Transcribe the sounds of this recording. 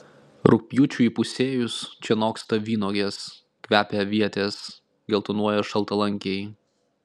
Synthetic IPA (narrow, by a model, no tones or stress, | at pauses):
ɾʊk̚pʲjuːt͡ʃʲuiːˑpʊsʲeːjʊst͡ʃʲɛnoːkst̪ɐʋʲiːnoːɡʲeːs | kʲʋʲæːpʲeʋʲiɛt̪ʲeːs | ɡʲɛlˠt̪ʊnuɔjɛʃɐlˠt̪ɐlˠɐŋʲkʲej